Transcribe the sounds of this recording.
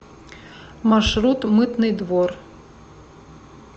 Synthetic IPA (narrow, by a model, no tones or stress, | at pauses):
maʂɾut̪mɨt̪nɨd̪vɔr